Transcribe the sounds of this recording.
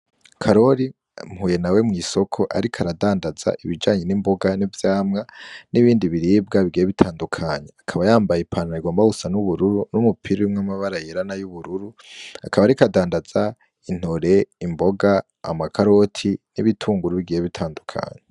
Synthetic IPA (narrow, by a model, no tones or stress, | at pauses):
kʰaɾo̞ɾi | mhuːje̞nawe̞mŋiːso̞kʰo̞ʔa̰ɾikʰaɾadaːndaza̰ʔiβid͡ʒaːɲe̞nimbo̞ɡanivjaːmŋaniβiːndiβiɾiːb̚ɡaβiɡijeβitʰaːndukʰaɲeakʰaβajaːmbajepʰaːnhaiɡwoːmbausanuβuɾuɾunumupʰiɾewumŋamaβaɾajeɾanajuβuɾuɾu | a̰kaβaɾikadaːndaz̥a | in̥oɾe̞imbo̞ɡa | a̰makʰaɾo̞tʰiniβitʰuːŋɡuɾuβiɡijeβitʰaːndukʰa̰ɲe